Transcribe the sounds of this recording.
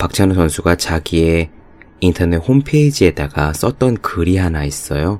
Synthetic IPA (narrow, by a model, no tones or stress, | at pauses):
pak̚t͡ɕʰanosʰʌnsʰuɡat͡ɕaɡie̞ | intʰʌnehompʰeid͡ʑie̞daɡas͈ʌt̚t͈ʌnkɯɾiɦanais͈ʌjo